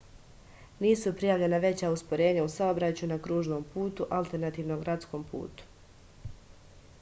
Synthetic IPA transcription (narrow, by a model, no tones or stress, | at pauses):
niːsupɾijaːʋʎe̞naʋe̞t͡ɕauspoɾe̞ːɲausaobɾat͡ɕunakɾuːʒno̞mpʰuːt̪uʔalˠt̪e̞ɾnat̪iːʋno̞ɡɾat̪sko̞mpṵːt̪u̥